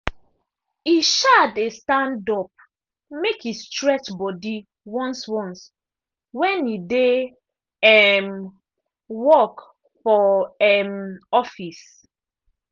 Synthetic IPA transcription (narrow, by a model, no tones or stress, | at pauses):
iʃadestãndɔp̚ | mekistɹɛt͡ʃbɔdi | wɔ̃nswɔ̃ns | wɛ̃nide | ɛm | wɔk | fɔɛmɔfis